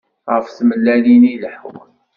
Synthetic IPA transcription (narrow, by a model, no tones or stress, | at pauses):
ʁəfθməlːæniniləħw